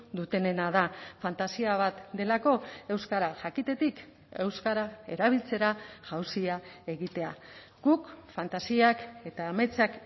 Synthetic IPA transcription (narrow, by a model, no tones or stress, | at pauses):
d̪ut̪e̞ne̞naðafant̪asiaβat̪d̪e̞lako̞e̞wskaɾaʝakit̪e̞t̪ik | e̞wskaɾae̞̰ɾaβ̞ilt͡se̞ɾaʝawsiae̞ɣit̪e̞a | ɡ̥ukfant̪asiake̞t̪aːmet͡sak